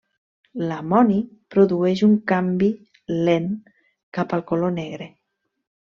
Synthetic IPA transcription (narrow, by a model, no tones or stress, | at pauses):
lamɔnipɾoðuɛʃuŋkambi | len | kapalˠkolonɛɣ̞ɾe